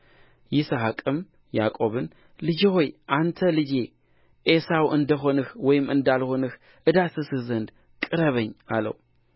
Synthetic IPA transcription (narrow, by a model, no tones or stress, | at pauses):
jɪsəɦakʼɨm | ja̰kʼo̞βɨn | lɨd͡ʒeho̞jʔant̪ʰəlɨd͡ʒe̞ | ʔesawʔɨnd̪əɦo̞nɨhwɔjɪmɨnd̪alho̞nɨh | ʔɨd̪asɨsɨhzənd̪ | kʼɨɾəβəɲːalə̰w